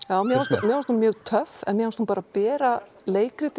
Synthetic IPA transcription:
jaːwmjɛaɾst̪mjɛɣaɾst̪umjœːɣt̪ʰœfɛ̰nmjɛɣhanst̪humpaːɾapɛːɾa | leːjkɾɪt̪

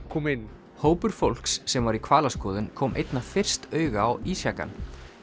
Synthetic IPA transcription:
kʰɔmɪnː | hoːwpʏɾ̥fowl̥ksːɛmvaɾikʰv̥aːlaskɔːðʏnkʰɔːmʔḛjt̪nafɪr̥st̪œːɥɣawiːsjaka̰n

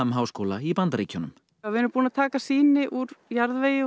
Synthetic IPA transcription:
amɦaːwskoːlaipant̪ɾiːcʰɔnʏm | avɪɛɾʏpuːnat̪ʰaːkasiːnɪʔuɾjaɾðveːjɪ

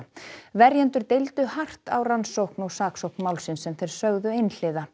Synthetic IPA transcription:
vɛɾjɛnt̪ʏɾt̪ejlt̪ʏhar̥t̪awransowhknɔɣsaːksowknmaːwlsɪnsɛmθejɾ̥sœɣðʏejnl̥ɪːða

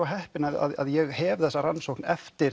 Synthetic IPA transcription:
aɦɛhpɪnaða̰ða̰ðjɛɣhɛvθɛsːaɾansowknɛft̪ɪɾ

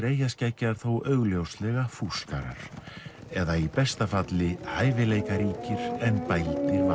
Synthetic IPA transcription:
ɾeːjascacːaɾ̥θowʔœɣljowst̪lɛɣafuska̰ɾa̰ɾ̥ɛðaipɛst̪afat̪lɪhaːjvɪleːjkaɾiːcɪɾ̥ɛnpajlt̪ɪɾv

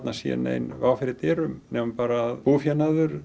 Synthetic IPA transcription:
t̪nasɛ̰nḛjnvawfɪɾɪt̪ɛːɾʏmnɛːmʏpaːɾaːðpufjanaðʏɾ̥

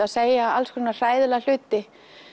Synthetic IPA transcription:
aðseːjaalskʰvɛnar̥aːjðɪlal̥ʏːt̪ɪ

